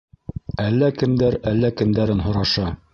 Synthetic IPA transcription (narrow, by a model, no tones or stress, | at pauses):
ælːækɘ̆md̪æɾælːækɘ̆md̪æɾɘnɦŏɾɑʃɑ